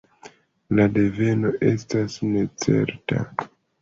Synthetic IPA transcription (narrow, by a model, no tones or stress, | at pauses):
lade̞ve̞no̞ʔe̞stasne̞t͡se̞̰ɾta̰